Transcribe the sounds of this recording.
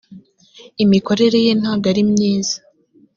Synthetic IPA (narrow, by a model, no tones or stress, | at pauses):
imiko̞ɾe̞ɾe̞jeːn̥haːɡaɾimɲiːz̥ḁ